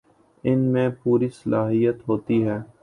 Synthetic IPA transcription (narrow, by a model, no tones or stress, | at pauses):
ɪnmẽpuːɾisəlaːɦijət̪ɦoːt̪iɦɛː